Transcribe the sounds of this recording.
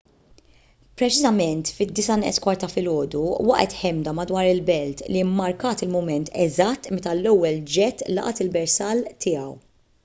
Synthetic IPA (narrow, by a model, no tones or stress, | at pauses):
pɾɛt͡ʃɪzɐmɛnt̪fɪd̪ːɪsɐnɪ̰ʔskwɐɾt̪ɐfɪlɔːd̪uwɐʔɛt̪ħɛmd̪ɐmɐd̪wɐːɾɪlbɛlt̪liɪmːɐɾkɐːt̪ɪlmʊmɛnt̪ɛzɐt̪ːmɛt̪ɐlɛwːɛld͡ʒɛt̪ːlɐ̰ʔɐt̪ɪlbɛɾsɐːlt̪ʰɪːjɐw